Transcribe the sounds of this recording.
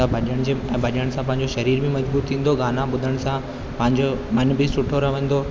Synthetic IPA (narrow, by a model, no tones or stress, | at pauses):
ãbʱɐʄəɽ̃d͡ʑeɛ̃ːbʱɐʄəɽ̃sãp̬ɐ̃ɦɪ̃ɲ̆d͡ʑoʃɐɾiːɾmẽmɐd͡ʑbuːɾt̪ʰĩːn̆d̪oɡaːnãɓʊd̪ʱəɽ̃sã | pɐ̃ɦɪ̃ɲd͡ʑomɐnbisʊʈʰoɾɐʋə̃n̆d̪oː